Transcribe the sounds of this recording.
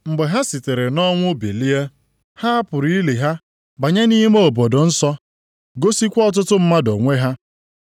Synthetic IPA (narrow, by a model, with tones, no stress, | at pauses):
ŋ͡m̩˨ɡ͡be˨ɦa˦si˨te˨ɾe˨nɔ˦ŋʷʊ˦be˨li˦e˦ | ha˦a˦pʊ˨ɾi˦li˨ɦa˦ | ba˨ɲe˦ni˦i˦m˦o˨bo˨dʊ˨n̩˦sɔ˦ | ɡo˦si˦kʷɔ˦t̬ʊ˦tʊ˦m̩˦ma˦do˨ŋʷe˦ɦa˦